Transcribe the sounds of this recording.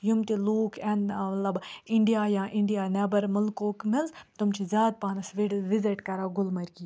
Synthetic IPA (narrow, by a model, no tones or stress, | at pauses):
jumt̪iluːkʰɛ̃nmɐt̪lɐbɪɳɖijaːjãːʔɪɳɖijaːnɛbɐɾmɐlkoːkmɪnzt̪ʊmt͡ʃʰizʲjaːd̪̚paːnɐsʋeɖʋɪziʈkɐɾaːɡʊlmɐɾki